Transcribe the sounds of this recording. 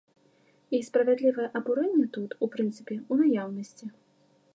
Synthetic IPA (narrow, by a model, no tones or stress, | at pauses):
ispɾɐvʲad̪lʲivɐjɛʔɐbuɾɛnʲːɛt̪ut̪upɾɨnt̪sɨpʲɛunajawnɐsʲt͡sʲi